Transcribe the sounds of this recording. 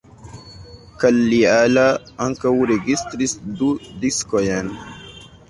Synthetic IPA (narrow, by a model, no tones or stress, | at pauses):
kalːiala | aŋkawuɾeɡist̪ɾisd̪ud̪iskɔjɛn